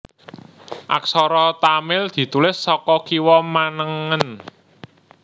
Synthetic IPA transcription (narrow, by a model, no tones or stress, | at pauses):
ʔa̰ksɔɾɔt̪amɪld̪̥i̤t̪ulɪsːɔkɔkiwɔmanəŋən